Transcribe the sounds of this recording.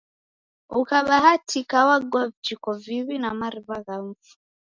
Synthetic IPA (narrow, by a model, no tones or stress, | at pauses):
ukaβaɦatʰikawaɡwavd͡ʒikɔviβinamaɾiβaɣam̩fu̥